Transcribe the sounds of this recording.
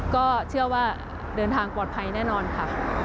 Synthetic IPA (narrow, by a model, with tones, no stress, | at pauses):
kɔː˥˩t͡ɕʰɯ˥˩ɐwaː˥˩ | dɤː˧nt̪ʰaː˧ŋpɔː˨˩t̪̚pʰa˧jnɛː˥˩nɔː˧nkʰa˥˩